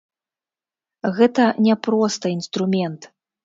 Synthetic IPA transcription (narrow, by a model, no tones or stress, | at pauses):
ɣɛt̪ɐnʲɛpɾɔst̪ɐinst̪ɾumʲɛnt̪